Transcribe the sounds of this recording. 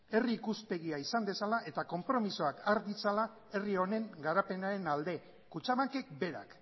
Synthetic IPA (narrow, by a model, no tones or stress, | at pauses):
e̞riːkuspe̞ɣiaisand̪e̞salaʔe̞t̪ako̞mpɾo̞misoakaɾd̪it͡sala | e̞rio̞ne̞ŋɡaɾape̞naɾe̞nald̪e̞ | kut͡ʃaβaŋke̞k̚be̞ɾa̰k